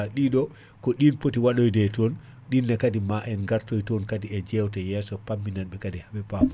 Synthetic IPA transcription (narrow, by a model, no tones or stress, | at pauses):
aɗiɗɔ | kɔɗinpotiwaɗojdɛtɔn | ɗinːakadimaʔɛnɡaɾtojtɔnkadiɛd͡ʒɛwtajɛːsɔpamːinanɓɛkadihabɛpapɔ